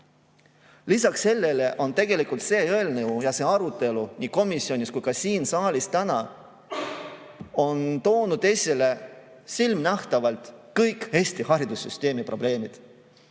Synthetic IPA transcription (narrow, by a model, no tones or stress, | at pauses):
lisɑkse̞lːe̞le̞ʔo̞nt̪e̞ɡ̥e̞likult̪se̞ːøelneujɑse̞ːɑɾut̪e̞luniːko̞misːio̞nʲiskujkɑsiːnsɑːlist̪ænɑ | o̞nt̪o̞ːnud̪̥e̞sʲele̞ | silmnæht̪ɑvɑlt̪kɤjkhe̞st̪ihɑɾid̪̥usːyst̪e̞ːmipro̞b̥le̞ːmid̪̥